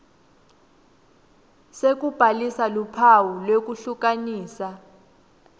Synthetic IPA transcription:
sek̬ub̥ʱalisalupʰawulwek̬ʼuɬuk̬aniːsa

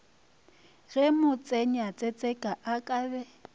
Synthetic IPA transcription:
ɣɛmʊt͡sʼɛɲat͡sʼɛt͡sʼɛkʼaʔakʼaːbɛ

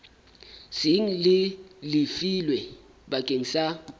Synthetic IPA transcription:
siŋ̩lɪlɪfilwɛ | ɓakʼeŋisa

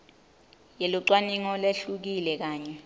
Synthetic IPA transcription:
jeluǀwaniŋɔleɬuk̬ilɛk̬aːɲɛ

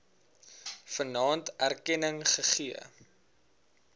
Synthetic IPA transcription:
fənɑːntærkɛnəŋχəχiə

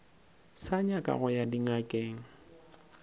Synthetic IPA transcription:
saɲakʼa̰ɣʊjadiŋakʼeːŋ̩

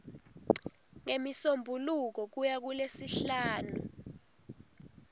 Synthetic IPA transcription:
ŋemisombʱuluk̬ɔk̬ujak̬ulesiɬaːnu

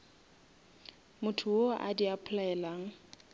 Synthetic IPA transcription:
mʊtʰʊoʔa̰diapʰʊlaɛlaːŋ̩

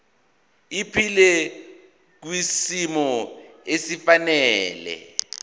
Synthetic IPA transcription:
ipʰilɛ | k̬wisimɔesifanɛːlɛ̰

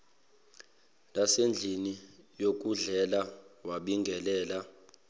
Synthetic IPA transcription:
nasend͡ɮʱinijok̬ʼuɮɛlawaɓiŋɡʱɛlɛːla

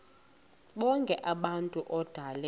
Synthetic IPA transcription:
ɓɔŋkʼɛʔaɓantʼuʔɔd̥ʱalɛ

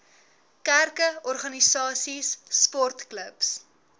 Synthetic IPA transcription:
kærkəɔrχɐnisɑːsisːpɔrtkləps

